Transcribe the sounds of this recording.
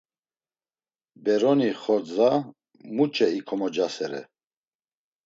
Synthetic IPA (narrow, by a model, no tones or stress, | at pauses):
bɛɾɔniχɔɾd͡za | mut͡ʃʼɛikʰɔmɔd͡ʒasɛɾɛ̰